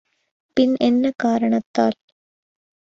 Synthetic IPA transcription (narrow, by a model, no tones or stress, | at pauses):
pinʔenːekaːɾɐɳɐt̪ːaːl